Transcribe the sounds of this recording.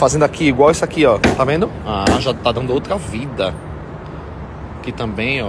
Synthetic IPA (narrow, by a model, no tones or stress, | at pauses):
fazẽnd̪ʊakiiɡwawisʊakiɔt̪avẽnd̪ʊaaʒat̪ad̪ɐ̃nd̪ʊowt̪ɾɐvid̪ɐ | kɪt̪ɐ̃bẽj̃ɔ